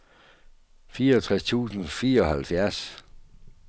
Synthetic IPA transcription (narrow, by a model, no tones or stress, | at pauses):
fiːɐɒt͡sʰʁast͡sʰṵːsn̩fiːɐɒ̽hælfjæɐs